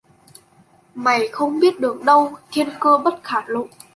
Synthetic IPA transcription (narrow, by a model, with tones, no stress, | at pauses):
ma˨˩jxə˧wŋ͡mɓi˦˥ət̚ɗɨ˨˩əŋɗə˧wt̪ʰe˧nkəː˧ɓə˦˥t̚xaː˧˩lo̰˧˨